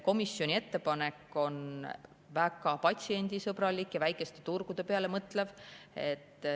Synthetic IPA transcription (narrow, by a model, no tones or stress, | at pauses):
ko̞misːjo̞nʲie̞t̪ːe̞pɑne̞kːˑo̞n | væɡ̥ɑpɑt̪ʲsie̞nʲd̪isɤbɾɑlikːjɑvæjkˑe̞st̪e̞̥t̪urɡ̥ud̪̥e̞pe̞ɑle̞mɤt̪ːˑle̞v̥e̞t̪ːˑ